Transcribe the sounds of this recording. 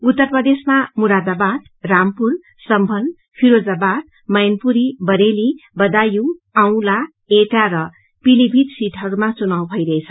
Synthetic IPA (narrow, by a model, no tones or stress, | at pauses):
ut̪ːʌrprʌd̪esmamuɾad̪abad̪̚ | rampur | sʌmbʱʌn | pʰiɾod͡zabad̪̚ | mʌjnpuɾibʌɾelibʌd̪ajuaw̃la | eʈaɾʌ | pilibʱid̪siʈʰɦʌɾumat͡sunaw̃bʱʌjɾʌet͡sʰʌ̥